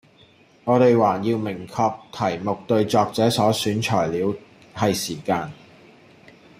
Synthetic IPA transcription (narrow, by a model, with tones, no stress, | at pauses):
ŋɔː˨˧ɾe˨jwaː˨˩jiː˧wmɪ˨˩ŋkʰɔː˧k̚t̪ʰɐ˨˩jmʊ˨k̚t̪ɵ˧ɥt͡sɔː˨k̚t͡sɛː˨˥sɔː˨˥syː˨˥nt͡ʃʰɔː˨˩jliː˨˧w | hɐ˨jsiː˨˩kaː˧n